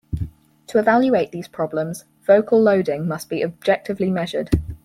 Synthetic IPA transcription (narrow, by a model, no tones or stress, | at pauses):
tʰəɪvaljueɪʔðiːz̥pʰɹ̥ɒblə̃mz̥ | v̥əʊkʰəlˠəʊdɪ̃ŋmʌsb̥iəb̚d͡ʒɛk̚tʰɪvlimɛʒəd̥